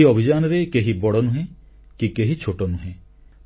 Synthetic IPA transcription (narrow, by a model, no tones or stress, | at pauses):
iɔbʱid͡ʒanɔɾekeɦibɔɽɔnuɦẽ | kikeɦit͡ʃʰoʈɔnuɦẽ